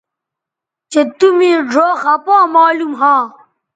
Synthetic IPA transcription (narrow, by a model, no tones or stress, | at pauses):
t͡ɕet̪umĩɖoːɣɐpãːmaːlumɦãː